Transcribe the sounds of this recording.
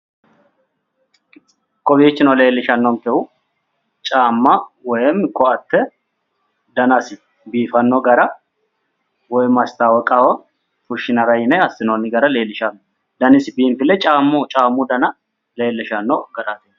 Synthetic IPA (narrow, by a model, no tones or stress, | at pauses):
kʼɔbiːt͡ʃːɪnɔle̞ːlːɪʃɐnːɔŋkɛhʊ | t͡ʃʼaːmːɐwɔjɛmkɔɐt̪ːɛ | d̪ɐnɐsɪ | biːfɐnːɔɡɐɾɐ | wɔjmɐst̪aːwɔkʼawɐ | fʊʃɪnɐɾɐjɪnɛɐsːɪnɔnɪɡɐɾɐle̞ːlːɪʃɐnː | d̪ɐnɪsɪbiːmfɪlːɛt͡ʃʼaːmːʊt͡ʃʼaːmːʊd̪ɐnɐ | le̞ːlːɪʃɐnːɔɡɐɾat̪e